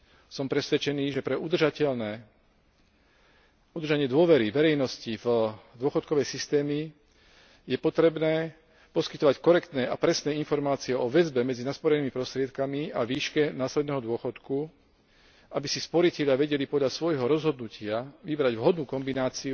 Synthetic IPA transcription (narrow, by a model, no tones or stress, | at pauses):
sɔmpɾɛsʋɛt͡ʃɛniːʒɛpɾɛud̪ʒacɛlnɛ | ud̪ɾrʒaɲɪɛd̪ʊɔʋɛɾiʋɛɾɛjnɔscivd̪ʊɔxɔt̪̚kɔʋɛjsist̪ɛːmi | jɛpɔt̪ɾɛbnɛː | pɔskit̪ɔʋackɔɾɛkt̪nɛːapɾɛsnɛːinfɔɾmaːt͡siɛɔʋɛzbɛmɛd͡zinaspɔɾɛniːmipɾɔst̪ɾɪɛt̪kamiaʋiːʃkɛnaːslɛd̪nɛːɦɔd̪ʊɔxɔt̪ku | ʔabisispɔɾicɛʎɪaʋɛɟɛlipɔd̪ʎasʋɔjɦɔɾɔzɦɔd̪nucɪaʋibɾaɟʋʊɦɔd̪nuːkɔmbinaːt͡siu